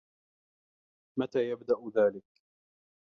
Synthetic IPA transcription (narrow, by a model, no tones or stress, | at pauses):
mat̪aːjabd̪aʔðaːlɪk